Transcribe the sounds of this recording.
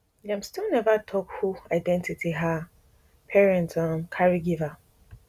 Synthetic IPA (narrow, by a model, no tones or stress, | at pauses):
jãmstilnɛvatʰɔkhuaɪdɛ̃ntitʰiɦa | pʰɛɹɛ̃ntɔmkʰaɹiɡiva